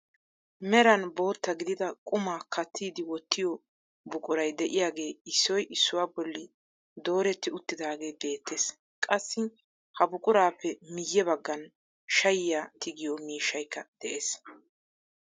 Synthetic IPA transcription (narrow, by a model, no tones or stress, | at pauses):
mɛɾɐnbo̞ːt̪ːɐɡɪd̪ɪd̪ɐkʼʊmaːkʰɐt̪ʰːiːd̪ɪwɔt̪ʰːɪjɔ | bʊkʼʊɾɐjd̪ɛʔɪjaːɡe̞ːɪsːɔjʔɪsːʊwaːbɔlːɪ | d̪o̞ːɾɛt̪ːɪʊt̪ːɪd̪aːɡe̞ːbe̞ːt̪ʰːeːs | kʼɐsːɪ | hɐbʊkʼʊɾaːpːɛmɪjːɛbɐɡːɐn | ʃɐjɪjaːt̪ʰɪɡɪjɔmiːʃːɐjkːɐd̪̥ɛʔeːs